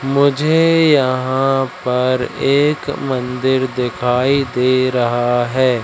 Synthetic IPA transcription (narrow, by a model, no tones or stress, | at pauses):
mʊd͡ʒʱejɐɦãpɐɾeːkmə̃nd̪ɪɾd̪ɪkʰaːid̪eːɾɐɦaɦɛː